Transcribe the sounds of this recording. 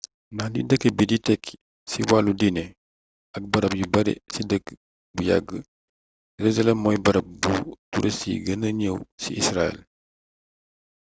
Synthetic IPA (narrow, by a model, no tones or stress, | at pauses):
nadḭdəkːebiditɛk | siwaludinɛ | ɐk̚bɐɾɐp̚jubɐɾɛ̰sidəkː | buja̰ɡə | jɛɾezɐlɛmːɔjbɐɾɐp̚butuɾʔesḭɡənəɲəwsiisɾaɛ̰l